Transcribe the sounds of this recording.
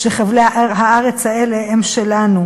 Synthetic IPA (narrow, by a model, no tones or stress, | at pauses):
ʃeχavleɦaaʁet͡shaeleemʃelanu